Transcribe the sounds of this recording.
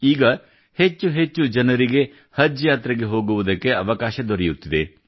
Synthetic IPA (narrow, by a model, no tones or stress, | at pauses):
iːɡɐ | he̞t͡ʃːuɦe̞t͡ʃːud͡ʒɐnɐɾiɡe̞ | hɐd͡ʒjaːt̪ɾɐɡe̞ɦo̞ːɡuʋud̪ɐkːe̞ɐʋɐkaːʃɐd̪oɾɛjut̪ːid̪e̞